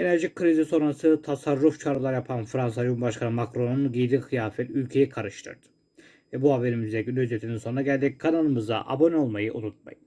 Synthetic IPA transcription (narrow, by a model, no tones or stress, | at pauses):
e̞næɾʒic̚kʰːɯɾiziso̞nɾasɯt̪ʰasaɾːuft͡ʃʰaɾɯlˠaɾjapʰanfɾans̬ajumbaʃkʰanɯmakɾo̞nunɟijd̪ikʰɯjaːfɛt̪ylʲcʰe̞jikʰaɾɯʃt̪ʰɯ̰ɾd̪̥ɯ̥ | vɛbuhabe̞ɾimizd̪eɟynyyzet̪ʰininsounɾaɟælʲd̪ikʰanalˠɯmɯza̰ʔa̰bo̞no̞lˠmajɯʔunut̪̚ma̰jɯ